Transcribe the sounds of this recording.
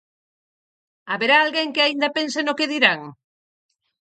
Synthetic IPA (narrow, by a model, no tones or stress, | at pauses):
aβeɾaːlɣeŋkɪaind̪apensenokeðiɾaŋ